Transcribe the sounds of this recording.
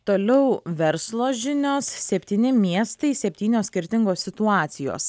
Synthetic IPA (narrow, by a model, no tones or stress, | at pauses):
t̪oːlʲɛʊʋʲɛɾslˠoːʒʲɪnʲoːssʲɛpʲt̪ʲiːnʲɪmʲiɛst̪ɐɪsʲɛpʲt̪ʲiːnʲoːsʲkʲɪɾʲt̪ʲɪŋɡoːsʲɪt̪ʊɑːt̪sʲɪjo̰ːs